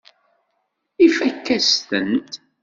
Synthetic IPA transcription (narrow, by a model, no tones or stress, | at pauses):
ifækːæsθənt̪